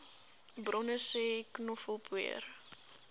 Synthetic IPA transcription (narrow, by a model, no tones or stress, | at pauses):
brɔnəseknɔfəlˠpʰwḭə̰r